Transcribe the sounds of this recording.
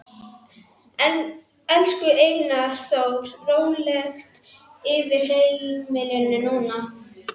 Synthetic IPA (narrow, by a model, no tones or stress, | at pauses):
ɛnskʏʔeːjnaɾ̥θowɾ̥roːwnlɛxt̪ | ɪvɪɾ̥hejlmɪlʏnːʏnuːna